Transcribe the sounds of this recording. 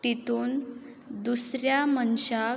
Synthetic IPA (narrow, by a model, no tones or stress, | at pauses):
t̪it̪uːn | d̪usɾjamənɕa